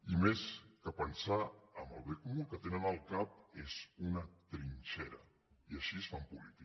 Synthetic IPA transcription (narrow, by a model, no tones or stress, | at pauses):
imeskəpənsaəmbəlˠβekumukət̪enənəlˠkap̚ezunət̪ɾint͡ʃɛɾə̰ | iəʃisfampulit̪i